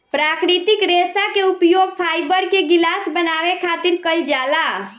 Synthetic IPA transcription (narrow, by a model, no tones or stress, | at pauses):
pɾaːkɾit̪ɪkɾesakeʊpjoɡpʰaːjbəɾkeɡɪlasbənaːʋekʰaːt̪ɪɾkəld͡ʒaːla